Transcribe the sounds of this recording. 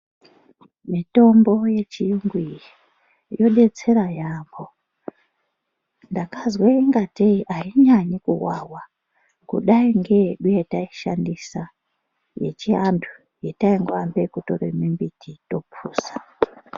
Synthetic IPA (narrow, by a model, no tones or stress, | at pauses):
mito̞mbo̞je̞t͡ʃijuŋɡwii | jo̞ɗe̞t͡se̞ɾajaːmbo̞ | ndakazweiŋɡateiʔaiɲaɲikṵwawa | kṵɗaiŋɡe̞ɗujetaiʃandisa | je̞̰t͡ʃiantʰu̥ | jetaiŋɡambe̞kuto̰rḛmimbitʰito̞puːsḁ